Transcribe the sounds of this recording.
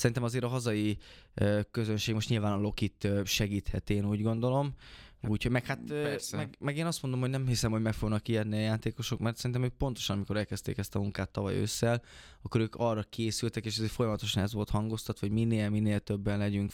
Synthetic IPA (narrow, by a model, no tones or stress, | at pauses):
sɛɾint̪ɛmɒzeːɾɒɦɒzɒjiøkø̞zønʃeːɡmo̞ʃt̪ɲiːlvaːnɒlo̞kit̪ːʃɛɡiːt̪hɛt̪eːnuːɟɡo̞nd̪o̞lo̞muːchomɛkhat̪mɛɡmɛɡeːnɒst̪mo̞nd̪o̞mɦo̞ɟnɛmhisɛmho̞ɟmɛkfo̞ɡnɒkːiɛd̪niɒjaːt̪eːkoʃo̞kmɛrt̪sɛɾint̪ɛmøːk̚po̞nt̪o̞ʃɒnɒmiko̞ɾɛlkɛst̪ḛːkɛst̪ɒmuŋkaːt̪ːɒvɒ̰jø̰sːɛl | ɒkːo̞ɾøːkʰɒrɒkʰeːsylt̪ɛkeːʃɒzeːɾfo̞jɒmɒt̪o̞ʃɒnɛzvo̞lt̪hɒŋɡo̞st̪ɒt̪ʋoɟminːeːlminːeːlt̪øbːɛnlɛɟyŋk